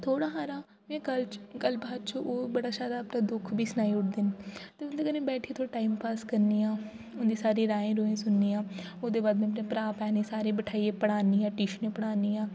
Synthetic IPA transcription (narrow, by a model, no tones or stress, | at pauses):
t̪ʰoːɽaːɦaːɾaː | mɛ̃ːkəlt͡ʃkəlbaːd̪t͡ʃʰuʔoːbəɽaːʃaːd̪aːpnãːd̪ʊkʰbʱiːsnaːiːʊʈ̚ʰd̪eːnt̪eːʊnd̪eːkənẽːbɛːʈʰiːt̪ʰoːʈaːiːmpaːskəɾniːãː | ʊnd̪iːsaːɾẽːɾaːẽːɾoːẽːsʊnːiːãːʊsd̪eːbaːd̪mɛ̃ːpnẽːpɾaːpɛːnẽːsaːɾẽːbəʈʰaːiːeːpəɽaːniːãːʈiːʃnẽːpəɽaːniːãː